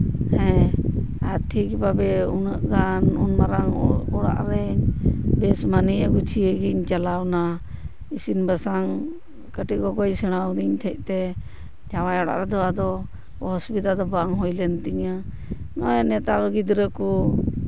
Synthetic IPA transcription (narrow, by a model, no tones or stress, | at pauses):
hɛ̃ | aɾʈʰikbabɛunəʔɡanunmaɾaŋɔɽa̰ʔɾɛɲbɛsmanijəɡut͡ʃʰiəɡiɲt͡ʃalawna | isinbəsaŋ | kəʈiɡɔɡɔjsɛɽ̃awd̪iɲt̪ʰəc̚ˀt̪ɛ | d͡ʒawajɔɽa̰ʔɾɛd̪ɔad̪ɔ | ɦɔsbid̪ad̪ɔbaŋɦujlɛnt̪iɲə | nɔjɛnɛt̪alɔɡid̪ɾəku